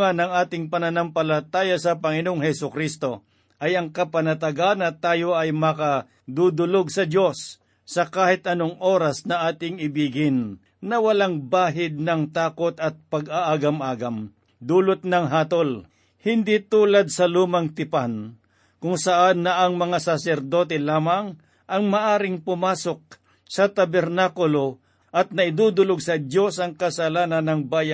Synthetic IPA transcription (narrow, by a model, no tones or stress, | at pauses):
anɐŋʔaːt̪ɪŋpɐnɐnampɐlɐt̪aːjɐsɐpɐŋɪnoŋhɛsʊkɾist̪o̞ | ʔɐjɐŋkɐpɐnɐt̪ɐɡaːnɐt̪aːjoʔɐjmɐkɐ | d̪ud̪ʊloɡ̚sɐd̪jo̞sː | ɐkaːhɪt̪ɐnoŋʔo̞ːɾɐsnɐʔaːt̪ɪŋɪbiːɡɪnː | ɐwɐlaŋbaːɦɪd̪̚nɐŋt̪aːkot̪ɐt̪̚pɐɡaʔaːɡɐmʔaːɡɐm | d̪uːlʊt̪̚nɐŋɦaːt̪ol | hɪnd̪it̪uːlɐd̪̚sɐluːmɐŋt̪ɪpan | kʊŋsɐʔanːɐʔɐŋmɐŋasasɛɾd̪oːt̪ɛlaːmaŋ | ʔɐŋmɐʔaːɾɪŋpʊmaːsok̚ | sɐt̪ɐbɛɾnaːkʊlo | ʔɐt̪̚nɐʔɪd̪uːd̪ʊloɡ̚sɐdjo̞sɐŋkɐsɐlaːnɐnːɐŋbaːja